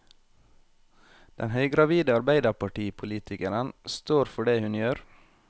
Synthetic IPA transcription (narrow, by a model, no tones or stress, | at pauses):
d̪̥ɛ̰nhœʏɡɾɑʋiːd̪əɑɾbæɪd̪ɑpɑʈiːpʰʊliːt̪ʰɪkəɾənst̪oːɾfɔɖeːhʉnjøːɾ